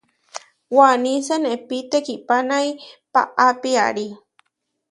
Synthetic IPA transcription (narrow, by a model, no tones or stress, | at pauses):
wanisenepit̪ekipanajpa̰ʔapia̰ɾi